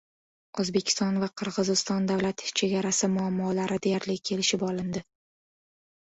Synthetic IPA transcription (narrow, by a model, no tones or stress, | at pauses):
ʔozbe̞kʲʰɪ̥st̪ɒnvaqʰɨɾʁɨzɪst̪ɒnd̪avlat̪t͡ʃʰe̞ɡʲaɾasɪmʊamːɒlaɾʔɪd̪ejaɾlɪkʲʰe̞lɪʃɪpɒlɪnd̪ɪ